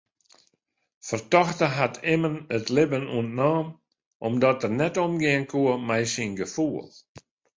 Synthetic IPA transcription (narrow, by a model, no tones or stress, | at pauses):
fərtɔxtəɦatʰɪmənətlɪbənṵəntnaːm | ʔɔmdɔtərnɛtɔmɡɪənkʰuəmɛjsinɡəfuəlˠ